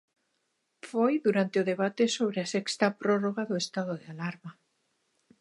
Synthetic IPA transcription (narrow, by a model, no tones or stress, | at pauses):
fojðuɾant̪eʊðeβ̞at̪esoβ̞ɾeasɛkst̪apɾoroɣaðʊest̪aðoðealaɾma